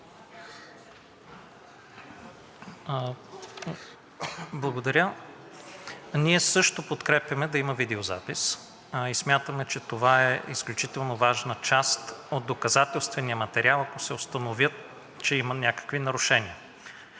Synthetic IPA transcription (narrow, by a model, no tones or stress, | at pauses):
blˠɐɡod̪ɐɾʲə | niɛsɤʃt̪opot̪kɾɛpjɐmɛd̪ɐimɐvid̪ɛoza̰pis | ismʲjat̪əmɛt͡ʃɛt̪ovaɛisklʲut͡ʃit̪ɛlˠnovaʒnət͡ʃast̪od̪̚d̪okɐzat̪ɛlˠst̪vɛnijəmɐt̪ɛɾialˠɐkosɛost̪ɐnovʲjət̪̚ | t͡ʃɛimənʲakə̥kvinɐɾʊʃɛniə